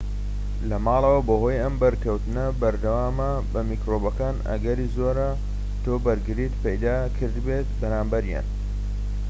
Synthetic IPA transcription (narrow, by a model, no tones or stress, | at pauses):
lɐmɑːlˠɐwɐboɦoːjɐmbɐɾkɐwt̪ɨnɐbɐɾd̪ɐwaːmɐ | bɐmikɾobɐkaːnʔɐ̰ɡɐɾiːzoːɾɐ | t̪ʰoːbɐɾɡɨɾit̪pɐjd̪aːkʰɨɾd̪beːt̪̚bɐɾaːmbɐɾja̰ːn